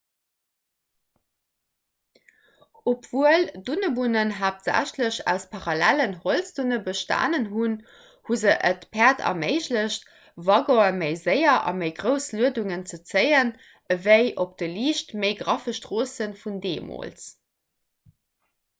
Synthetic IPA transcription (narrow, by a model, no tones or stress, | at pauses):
opv̥uəldunəbunənɦaːp̚tz̥æ̰ɕləɕæ̰ʊspʰɑʁɑlælənholsd̥unəbəʃta̰ːnənɦun | huzəʔətpʰæːɐtʰɑ̰meɪɕləɕt | vɑɡoəməɪzəɪɐʔɑ̰məɪɡʁəʊsluəduŋənt͡sət͡səjən | əvəɪʔop̚d̥əliːʃtməɪɡʁɑfəʃtʁ̥oːsənfundeːmo̰ːls